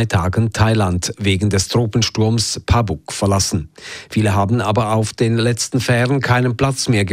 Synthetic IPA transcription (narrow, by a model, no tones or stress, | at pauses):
ɪtʰaːɡən̩tʰaɪlantveːɡŋ̩dɛstʁ̥oːpn̩ʃtʊɐmspʰabʊkfɛɐlasn̩fiːləɦaːbn̩ʔaːbɐaʊfd̥eːnlɛt͡stn̩fɛːʁənkʰaɪnənpl̥at͡smeːɐɡə